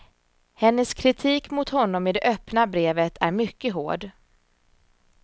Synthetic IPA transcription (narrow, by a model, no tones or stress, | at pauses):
hɛnːəskʰɾɪt̪ʰiːkmʊt̪hɔnːɔmɪd̪ɛʔœpnabɾeːvət̪ʰæɾmʏkːəɦo̰ːɖ